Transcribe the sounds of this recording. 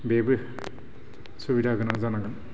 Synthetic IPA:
bebɯ | subidaɡɯnazanaɡɯn

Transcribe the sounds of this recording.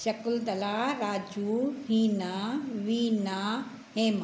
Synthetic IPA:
ʃɐkʊld̪ɐlaːɾaːd͡ʒuɦiːnaːʋiːnaː | ɦeːma

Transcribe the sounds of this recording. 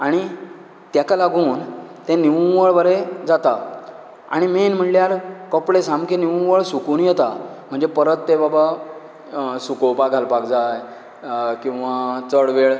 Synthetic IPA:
aɽ̃i | t̪jakalaɡʱuːnt̪ẽniʋũʋəɭʋəɾed͡zat̪a | a̰ɽ̃imenm̤əɳljaɾkɔpɭesamkeniʋũʋəɭsukunjɛt̪a | m̤əɳd͡zepəɾət̪ːebaba | sukowpaɡʱalpakd͡zaj | kĩw̃ʋat͡səɽʋeɭ

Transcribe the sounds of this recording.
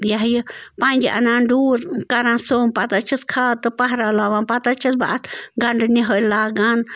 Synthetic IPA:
jaɦjpãnʲd͡ʒʔɐ̰nãːɖuːɾkɐɾãːsoːmpat̪at͡ʃʰiskʰat̪ɨpɐɦɾaːlaːʋãːnpat̪at͡ʃʰisba̰ʔt̪ʰɡɐɳɖniɦəlaːɡan

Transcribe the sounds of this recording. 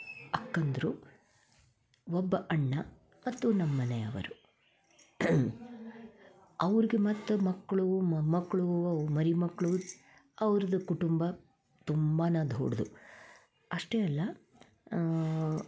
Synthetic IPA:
ɐkːɐnd̪ɐɾu | ɔbːɐʔɐɳːɐ | mɐt̪ːunɐmːɐneɐ̰ʋɐ̰ɾu | ɐʋɐɾiɡemɐt̪ːɐmɐkːɐɭummɐkːɐɭuɐmɐɾimɐkːɭu | ɐʋɐɾɐd̪ɐkuʈumbɐ | t̪umbaːnɐd̪ʱo̰ːɽud̪u | ɐʂʈeːɐlːɐ

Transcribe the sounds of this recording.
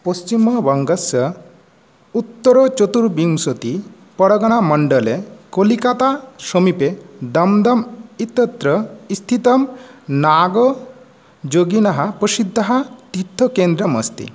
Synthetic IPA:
post͡ʃimɔbɐŋɡəsə | ut̪ːɔɾɔt͡ʃot̪uɾbiŋsot̪i | pɔɽɔɡɔɽ̃amɔɳɖɔlekolikat̪asomiped̪ɐmd̪ɐmit̪ːɔt̪ɾəist̪ʰit̪ɔmnaɡɔ | d͡ʒoɡinaɦapɾəsid̪ʱːaɦat̪it̪ʰːɔkend̪ɾɔməst̪ḭ

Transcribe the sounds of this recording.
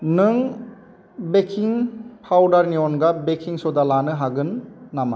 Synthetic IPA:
nɯŋ | bekʰiŋpʰawdaɾniɔnɡabekʰiŋsɔdalanɯɦaɡɯnːama

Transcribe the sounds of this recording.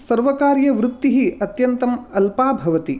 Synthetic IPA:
sɐɾʋɐkaːɾjɐʋɾut̪ːiɦiɐt̪jɐnt̪ɐmɐlpaːbʱɐʋɐt̪i

